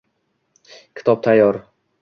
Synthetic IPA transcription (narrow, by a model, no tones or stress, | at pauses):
kʲʰɪ̥t̪ʰɒb̚t̪ʰajːɒɾ